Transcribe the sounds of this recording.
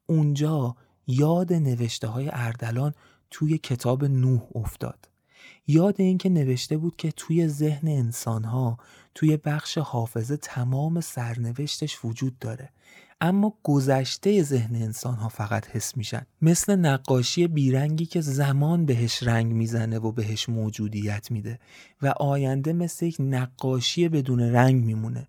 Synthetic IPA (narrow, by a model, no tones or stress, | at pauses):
ʔund͡ʒɒː | jɒːd̪e̞ne̞ve̞ʃt̪eɦɒːje̞̰ʔæɾd̪ælɒːn | t̪ʰuːje̞cʰe̞t̪ʰɒːbe̞nuːho̞ft̪ɒ̰ːd̪̥ | jɒːd̪e̞iːncʰe̞ne̞ve̞ʃt̪e̞buːd̪̥cʰe̞t̪ʰuːje̞ze̞hne̞ːnsɒːnɦɒː | t̪ʰuːje̞bæxʃe̞hɒːfe̞ze̞t̪ʰæmɒːme̞sæɾne̞ve̞ʃt̪ʰe̞ʃvod͡ʒuːd̪̚ːɒːɾe̞ | ʔæmːɒːɡ̥o̞zæʃt̪e̞je̞ze̞ɦneːnsɒːnɦɒːfæɣæt̪he̞sːmiːʃæ̰nd̥̪me̞sle̞næɡːɒːʃije̞biːɾæŋɟiːcʰe̞zæmɒːnbe̞ɦe̞ʃɾæŋɟmiːzæne̞vobe̞ɦe̞ʃmoːd͡ʒuːd̪ijæt̪ʰmiːd̪e̞ | væʔɒːjænd̪e̞me̞slejecnæɡːɒːʃije̞be̞d̪uːne̞ɾæŋɟmiːmune̞̰